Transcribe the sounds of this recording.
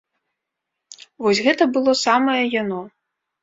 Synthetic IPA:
vɔsʲɣɛt̪ɐbɨlˠɔsamɐjɐjanɔ

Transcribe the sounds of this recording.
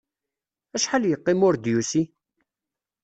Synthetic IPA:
æʃħaljəqːɪmʊɾd̪jusi

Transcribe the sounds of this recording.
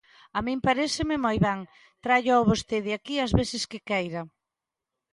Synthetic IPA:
amĩmpaɾesɪmɪmojβɛŋ | t̪ɾaʎoβost̪eðɪakiazβeθɪskɪkɛjɾɐ

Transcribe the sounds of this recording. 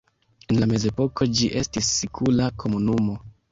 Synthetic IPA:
e̞nlame̞ze̞po̞ko̞d͡ʒiʔe̞stisːikʰulakʰo̞munumo̞

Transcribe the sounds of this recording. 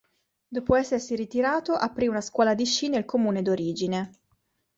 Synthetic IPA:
d̪oːpoɛsːersiɾit̪iɾaːt̪oʔapːɾiunaskwɔːlad̪iʃiːnelkomuːned̪oɾiːd͡ʒine

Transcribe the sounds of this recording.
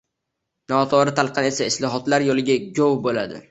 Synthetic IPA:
nɒt̪ʰɒɾɪt̪ʰalˠqɑne̞saɪslˠɒɦɒt̪laɾjolɪɡʲaɡʲowbola̰d̪ɪ̰

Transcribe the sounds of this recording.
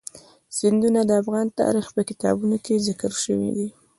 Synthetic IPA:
z̥ɪnd̪unad̪əafɣɑnt̪ɑ̰ɾixpəkɪt̪ɑ̰bunokezɪkəɾʃəwḭd̪i

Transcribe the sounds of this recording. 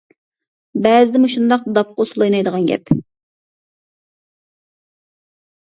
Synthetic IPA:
bɛzd̪ɪmuʃund̪ɑqd̪ɑp̚qʊsulˠɑjnɑjd̪əʁɑnɡʲɛ̰p

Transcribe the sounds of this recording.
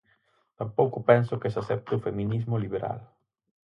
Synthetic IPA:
t̪ampowkʊpɛnsʊkesasɛp̚t̪eufemĩnizmʊliβeɾa̰l

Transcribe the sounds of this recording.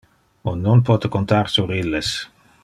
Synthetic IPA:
onːonpɔt̪ekont̪aɾsuɾilːes

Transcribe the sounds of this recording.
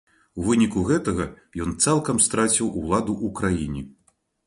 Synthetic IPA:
wvɨnʲikuɣɛt̪ɐɣɐ | jɔnt̪salˠkɐmst̪ɾat͡sʲiwʔulˠad̪uʔukɾajinʲi

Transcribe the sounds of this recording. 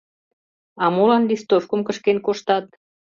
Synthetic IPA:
ɑmolɑnlist̪ofkə̆mkəʃkenkoʃt̪ɑt̪̚

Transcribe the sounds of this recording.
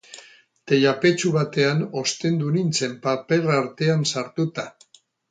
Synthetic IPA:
t̪e̞jape̞t͡ʃuβat̪e̞ano̞st̪e̞nd̪unint͡se̞mpape̞raɾt̪e̞ansaɾt̪ut̪a

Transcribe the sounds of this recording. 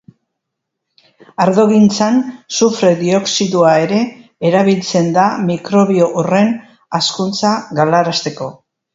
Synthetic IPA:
aɾðo̞ɣint͡sansufɾe̞ðio̞ksiðuae̞ɾe̞ːɾaβ̞ilt͡se̞nd̪amikɾo̞βio̞ʔure̞n | askunt͡saɣalaɾast̪e̞ko̞

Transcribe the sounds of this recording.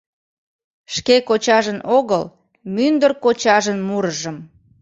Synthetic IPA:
ʃkekot͡ɕɑʒənʔoɣəl | mynd̪ərkot͡ɕɑʒənmuɾəʒəm

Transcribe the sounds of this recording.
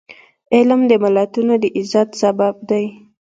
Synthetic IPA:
ɪlmd̪əmalat̪unod̪əʔɪzat̪sabab̚d̪aj

